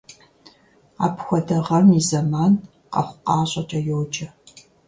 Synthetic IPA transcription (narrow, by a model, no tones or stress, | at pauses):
a̰ːpxʷɔdɐʁɐmizɐmaːn | qɐ̰χʷʊqɑːɕʼɐtʼɐjowd͡ʒʼɐ